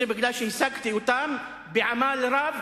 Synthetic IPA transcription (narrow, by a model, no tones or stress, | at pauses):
ɪbɪɡlaːʃisaɡt̪iwt̪ˤaːm | bɪʕamaːlɾˤɑːb